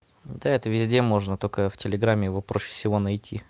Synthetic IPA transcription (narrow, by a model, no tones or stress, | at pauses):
d̪aɛt̪əvʲɪzʲdʲemo̞ʐnət̪okəftʲɪlʲɪɡɾamʲːɪɪvopɾoɕɪ̥fsʲɪvo̞nɐjtʲʰi